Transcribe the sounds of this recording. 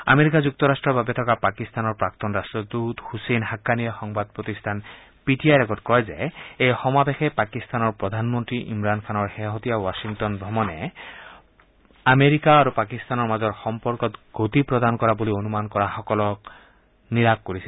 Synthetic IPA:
a̰meɾikazuk̚t̪ɔɾasʈɹɔbʱabetʰɔkapakist̪anɔɹpɹakt̪ɔnɹastɹɔd̪ut̪husenɦakːanijɔxɔŋbad̪̚pɹot̪ist̪ʰan | piʈiajɾɛɡɔtkɔjzeejxɔmabexepakist̪anɔɹpɹɔd̪ʱanmɔnt̪ɹiʔḭmɹankʰanɔɹxeɦot̪ijawasiŋtɔnbʱɔmɔnɛ | ameɾikaːɾupakist̪anɔɹmazɔɹxɔmpɔɹkɔt̪ɡot̪ipɹɔd̪ankɔɹabolionumankɔɹaxɔkɔlɔk | niɾakkoɹisʰil

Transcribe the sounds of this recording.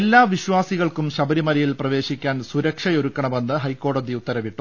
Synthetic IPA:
elːaːʋiɕʋaːsiɣɐɭkumɕɐbɐɾimɐɾɐjilprɐʋe̞ːɕikʲːaːnsuɾɐkʂɐjo̞ɾukːɐɳɐme̞nːɨɦɐjkːo̞ːɽɐd̪iut̪ːɐɾɐʋiʈːu

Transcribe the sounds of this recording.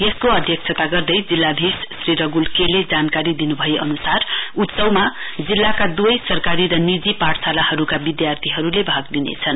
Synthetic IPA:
jeskoʌd̪ʱjʌk̚t͡sʰʌt̪aɡʌrd̪ʌjd͡zilːabʱissriɾʌɡulkeled͡zankaɾid̪inubʱʌjeʔʌnusarut̪sʌwmad͡zilːakad̪ujsʌrkaɾiɾʌnid͡zipaʈsalahʌɾukabid̪jart̪ʰiɦʌɾulebʱaɡ̚d̪inḛt͡sʰʌn

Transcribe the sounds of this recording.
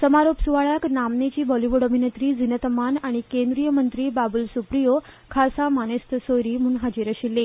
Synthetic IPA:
səmaɾopsuʋaɭjaknamnet͡ɕiːbɔliʋuɽəbʱinet̪ɾiːd͡zʱinət̪əmanaɽ̃ikẽnd̪ɾijəmənt̪ɾiːbabulsupɾijo | kʰasamanest̪əsoɾiːm̤uːnɦad͡ʑiɾəɕilːe

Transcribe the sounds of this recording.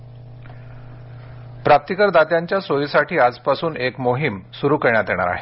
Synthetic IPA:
pɾap̚t̪ikəɾd̪at̪jaɲt͡ɕjasojisaʈʰiːad͡zpasuːnekmoɦimsuɾuːkəɾɳ̃jat̪eɽ̃a̰ɾa̰ɦe

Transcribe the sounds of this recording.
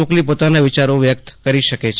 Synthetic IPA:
oklipot̪anaʋɪt͡ʃaɾoʋjək̚t̪kəɾiʃəket͡ʃʰ

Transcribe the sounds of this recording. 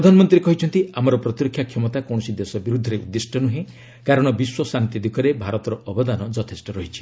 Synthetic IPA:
pɾɔd̪ʱanɔmɔnt̪ɾiekɔɦit͡ʃʰɔnt̪iamɔɾɔpɾɔt̪iɾɔkʰːjakʰjɔmɔt̪akɔ̃ɔsid̪esɔbiɾud̪ʱːɔɾeṵd̪ːesʈʰɔnuɦẽ | kaɾɔɽ̃ɔbiswɔsant̪id̪ikɔɾebʱaɾɔt̪ɔɾɔɔbɔd̪anɔd͡ʒɔt̪ʰesʈɔɾɔɦit͡ʃʰi̥

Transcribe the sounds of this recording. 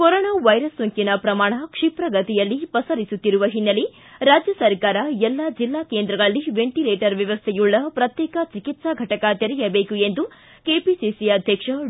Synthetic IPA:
koɾoːnaːʋɐjɾɐsːoŋkinɐpɾɐmaːɳɐkʂipɾɐɡɐt̪ijɐlːipɐsɐɾisut̪ːiɾuʋɐɦinːɐli | ɾaːd͡ʒjɐsɐɾkaːɾɐɛlːad͡ʒilːaːkeːnd̪ɾɐɡɐɭlːiʋeɳʈileːʈɐɾʋjɐʋɐst̪ʰɛjuɭːɐpɾɐt̪jɛːkɐt͡ʃikit̪sɐɡʱɐʈɐkɐt̪eɾɛjɐbeːkuend̪u | keːpisisiɐd̪ʱjɐkʂɐ

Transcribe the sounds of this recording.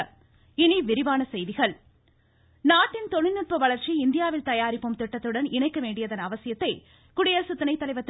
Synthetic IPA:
ɪniʋɪɾɪʋaːnɐsɛjðɪɣɐɭ | naːʈːɪnt̪ɔɳɪnːɯʈ̚pɐʋɐɭɐɾt͡ʃiɪnd̪ɪjaːʋɪlt̪ɐjaːɾɪpːɯmt̪ɪʈːɐt̪ːɯɽɐnɪɳɐɪkːɐʋeːɳɖɪjɐðɐnɐʋɐsɪjɐt̪ːɐɪ | kʊɽɪjɐɾsʊt̪ːɪnɐɪt̪ːɐlɐɪʋɐt̪ː

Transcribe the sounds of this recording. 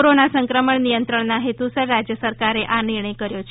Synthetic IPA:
oɾonasəŋkɾəməɳnijənt̪ɾəɳnaɦet̪usəɾɾad͡ʑjəsəɾkaɾeʔaniɾɳ̃əjkəɾjot͡ʃʰ

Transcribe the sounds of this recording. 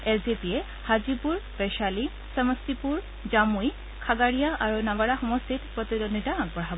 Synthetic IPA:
ɛlzepie | hazipuɹpɛʃali | səmɔstipuɹ | d͡ʒamuj | kʰaɡaɹijaʔaɹunabaɹaxɔmɔst̪ʰitpɹɔt̪idɔnitaaɡ̚bɔɹɦabɔ

